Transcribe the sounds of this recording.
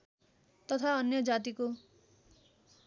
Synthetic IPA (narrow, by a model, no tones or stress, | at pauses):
t̪ʌt̪ʰaʌnjʌd͡zat̪̬iko